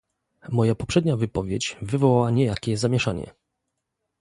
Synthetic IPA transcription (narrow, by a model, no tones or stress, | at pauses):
mɔjapɔpʂɛd̪ɲavɘpɔvʲjet͡ɕvɘvɔwawaɲɛjakʲɛzamʲjɛʂaɲɛ̰